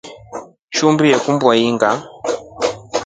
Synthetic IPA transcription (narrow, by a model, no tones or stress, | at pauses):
ʃumbijɛkumbwaiŋɡa